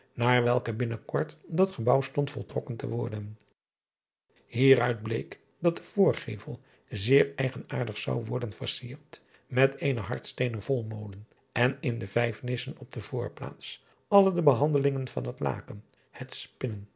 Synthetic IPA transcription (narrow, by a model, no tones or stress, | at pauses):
naːɹʋɛlˠkəbɪnəkɔɹtdɑtχəbɑwstɔntfɔlˠtrɔkəntə̰ʋɔɹdən | hiːrœɥd̚blḛjk | dɑt̚d̥əv̥ʊːɹχejvəlˠ | zɪːɹɛjχənaːɹdəχsɑwʋɔɹdənvəɹsiːɹt | mɛtejnəɦɑ̰ɹtstejnəv̥ɔlˠmowdən | ʔɛnɪndəvɛjfnɪsənɔb̚dəvʊːɹpla̰ːts | ɑlˠədəbəɦɑndəlɪŋənv̥ɑ̰nɦətla̰ːkən | hɛtspɪnən